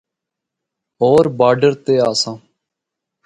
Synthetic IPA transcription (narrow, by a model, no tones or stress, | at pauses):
ɦoːɾbaːɖəɾt̪eːaːsãː